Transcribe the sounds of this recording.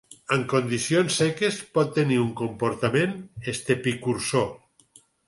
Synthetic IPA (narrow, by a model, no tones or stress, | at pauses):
əŋkond̪isijonsːɛkespɔt̪ːeniuŋkompoɾt̪amẽnest̪epikuɾso